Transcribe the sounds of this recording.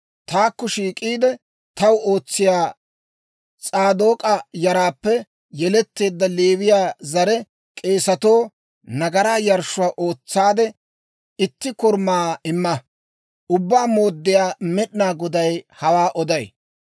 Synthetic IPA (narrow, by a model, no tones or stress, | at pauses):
t̪aːkːɔʃiːkʼiːd̪ɛ | t̪ɐwo̞ːt͡sːɪjaː | t͡sʼaːd̪o̞ːkʼɐjɐɾaːpːɛ | jɛlɛt̪ːe̞ːd̪ːɐleːβɪjaːzɐɾɛ | kʼe̞ːsɐt̪o̞ː | nɐɡɐɾaːjɐɾʃʊaːʔo̞ːt͡sːaːd̪ɛ | ɪt̪ːɪkʊɾmaːɪmːɐ | ʔʊbːaːmo̞ːd̪ːɪjaːmɛɗnaːɡɔd̪ɐjhɐwaːʔɔd̪ɐj